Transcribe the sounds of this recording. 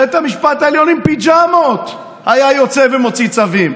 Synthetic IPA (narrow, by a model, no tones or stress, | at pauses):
et̪amiʃpat̪aeljo̞nimpid͡ʒamot̪ | hajajot͡sevemo̞t͡sit͡savim